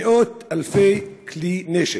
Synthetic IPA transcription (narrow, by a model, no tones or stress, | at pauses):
ʔoːt̪alfeːklineʃɪ